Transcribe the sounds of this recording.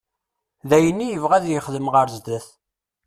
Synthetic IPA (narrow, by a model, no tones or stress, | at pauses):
ðæjənːijəvʁæðjəχðəmʁəɾzd̪æθ